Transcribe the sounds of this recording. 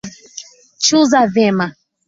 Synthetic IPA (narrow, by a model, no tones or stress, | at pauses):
t͡ʃuzavɛma